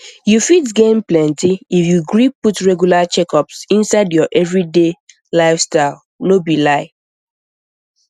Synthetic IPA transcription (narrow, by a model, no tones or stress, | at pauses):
jufitɡẽmplɛ̃ntiifjuɡɹipːutɹɛɡjulat͡ʃɛkɔpsĩnsaɪdjɔʔɛvɹide | laɪfstaɪl | nobilaɪ